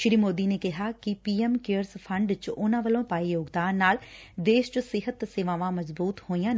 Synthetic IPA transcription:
ʃɾiːmoːd̪iːneːkɪɦaːkɪpiːɛmkeːəɾspʰəɳɖt͡ʃʊnãːʋəlõːpaːijoːɡd̪aːnːaːl | d̪eːʃt͡ʃsɪɦət̪seːʋãːʋãːməzbuːt̪hoːijãː

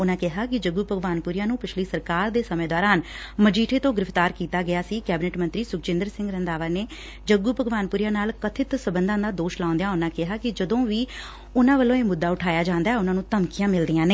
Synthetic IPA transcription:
ʊnãːkɪɦaːkɪd͡ʒəɡːuːpəɡʋaːnpʊːɾijãːnũːpɪt͡ʃʰliːsəɾkaːɾd̪eːsəmẽːd̪ɔːɾaːnməd͡ʒiːʈʰeːt̪õːɡɪɾɪft̪aːɾkiːt̪aːɡɪjaːsiːkɛːbɪnɛʈmə̃nt̪ɾiːsʊkt͡ʃɪ̃nd̪əɾsɪ̃ŋɡɾənd̪aːʋaːneː | d͡ʒəɡːuːpəɡʋaːnpʊːɾijãːnaːlkət̪ʰɪt̪səbənd̪ãːd̪aːd̪oːʃlãːʊ̃nd̪ejaːʊnãːkɪɦaːkɪd͡ʒəd̪õːʋiː | ʊnãːʋəlːõːeːmʊd̪ːaːʊʈʰaːjaːd͡ʒãːnd̪aːɛːʊnãːnũːt̪əmkijãːmɪld̪ijãːneː

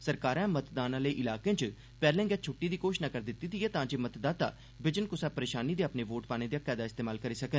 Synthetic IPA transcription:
səɾkaːɾãːmət̪d̪aːnãːləiːʔɪlaːkẽːt͡ʃ | pɛːɾlɛ̃ːŋɡɛːt͡ʃʰʊʈːiːd̪iːkoːʃʃnaːkəɾd̪ɪt̪ːiːt̪ʰiɛːt̪ãːd͡ʒeːmət̪d̪aːt̪a̰ː | bɪd͡ʒənkʊsaːpəɾeːʃaːniːd̪iːapneːʋoːʈpaːñeːd̪iːakːɛːd̪aːɪst̪eːmaːlkəɾiːsəkən

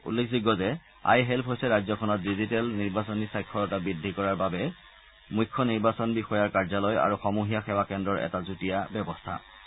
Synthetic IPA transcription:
ṵlːekʰdiɡɔzɛ | a̰jɦɛlpʰɦojsɛɹajzɔkʰɔnɔt̚dizitɛlniɹbasɔnisajkʰːɔɹɔtabidʱikɔɹaɹbabɛ | mujkʰːɔniɹbasɔnbixɔjaɹkaɹzalɔja̰ɹuxɔmuɦijaxɛwakɛndɹɔɹʔɛ̰tazutijabɛbɔstʰa̰

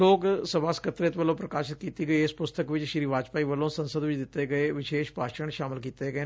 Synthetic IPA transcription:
oːksəbaːskət̪ːɾet̪ʋəlõːpɾəkaːʃɪt̪̚kiːt̪iːɡəiːɪspʊst̪əkʋɪt͡ʃʃɾiːʋaːt͡ʃpaːiːʋəlõːsə̃nsəd̪ʋɪt͡ʃd̪ɪt̪ːeːɡəeːʋɪʃeːʃpaːʃəɾəɳʃaːmɪlkiːt̪eːɡəeː

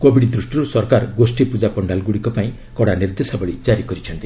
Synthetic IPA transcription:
kobʱiɽd̪ɾusʈjɔɾusɔɾkaɾɡosʈipud͡ʒapɔɳɖalɡuɽikɔpaĩ | kɔɽaniɾd̪esɔbɔɭid͡ʒaɾikɔɾit͡ʃʰɔnt̪i

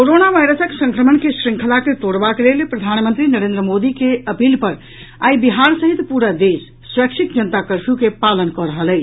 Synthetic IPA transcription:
koɾonaʋajɾəsəksə̃ŋkɾəmənkesɾiŋkʰəlaket̪oɽbakelelpɾəd̪ʱanmə̃nt̪ɾinəɾend̪ɾəmod̪ikeəpilpəɾ | a̰jbiɦaɾsəɦit̪puɾəd̪esːwəkt͡ʃʰik̪̚d͡ʒənt̪akəɾpʰjukepalənkɔɾəɦəlɛt͡ʃ

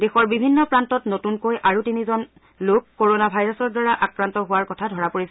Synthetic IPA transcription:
dexɔɹbibʱinːɔpɹantɔtnotunkojʔaɹutinizɔn | lokːoɹonabʱajɹɔsɔɹdwaɹaʔakɹantɔɦʊwaɹkɔtʰadʱɔɹapoɹisɛ

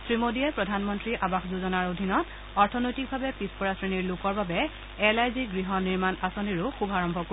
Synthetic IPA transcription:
sɹimodiɛpɹɔdʱanmɔntɹiʔabaxzuzɔnaɹodʱinɔt | ɔɹtʰɔnojtik̚bʱabɛpispɔɹasɹeniɹlʊkɔɹbabɛ | ɛlajziɡɹiɦɔniɹmanasoniɹʊxubʱaɹɔmbʱɔko

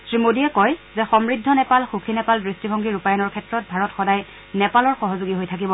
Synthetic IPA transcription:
sɹimodiɛkɔjzɛxɔmɹidʱːɔnɛpalxukʰinɛpaldɹistibʱɔŋɡiɹupajɔnɔɹkʰɛtɹɔt̚bʱaɹɔtxɔdaj | nɛpalɔɹxɔɦɔzuɡiɦojtʰak̬ibɔ

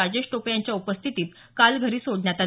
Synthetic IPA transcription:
ad͡ʑeɕʈopjaɲt͡ɕjaupəst̪ʰit̪iːt̪ | kalɡʱəɾiːsoɽɳjat̪a

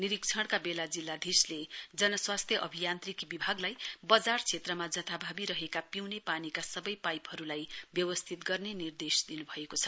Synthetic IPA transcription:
niɾik̚t͡sʰʌɽ̃kabelad͡zilːad̪ʱisled͡zʌnʌswast̪ʰjʌʔʌbʱijant̪rikbibʱaɡlajbʌd͡zart͡sʰet̪rʌmad͡zʌt̪ʰabʱabiɾʌɦekapiwnepanikasʌbʌjpajpɦʌɾulajbjʌwʌst̪ʰit̪ɡʌrnenird̪esd̪inubʱʌekot͡sʰʌ̥

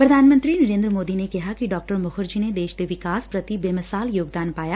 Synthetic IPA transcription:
pɾɐd̪ʱaːnmə̃nt̪ɾinɐɾẽːnd̪ɾəmoːd̪inekɐɦakiɖɔːk̚ʈəɾmʊxəɾd͡ʒined̪eːʃd̪eʋɪkaːspɾɐt̪ibeːmɐsaːljoːɡ̚d̪aːnpaːja

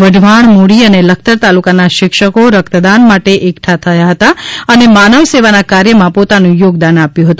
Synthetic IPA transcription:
ʋəɖʱʋaɳ̃moɽiənelək̚ʰt̪əɾt̪alukanaʃɪkʃəkoɾəkt̪əd̪anmaʈeʔekʈʰat̪ʰəjaɦət̪aənemanəʋseʋanakaɾjəmãpot̪anũjoɡd̪anapjũɦət̪ũ

